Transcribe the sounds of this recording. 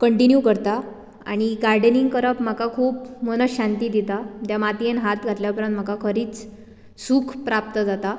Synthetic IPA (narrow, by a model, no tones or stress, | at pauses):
kəɳʈinjukəɾt̪a | a̰ɽ̃iɡaɾɖəniŋɡkəɾəpm̤akakʰuːpmənəɕant̪iːd̪it̪at̪jamat̪ienɦat̪ɡʱat̪ljapəɾənt̪m̤əkakʰəɾiːt͡s | suːkʰpɾap̚t̪əd͡zat̪a